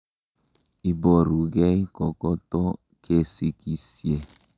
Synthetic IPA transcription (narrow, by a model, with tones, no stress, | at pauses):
i˨bɔ˨ɾu˨ɡɛ˦i˦kɔ˨kɔ˦t̪ɔ˦ | ke˦si˨ki˦sje˨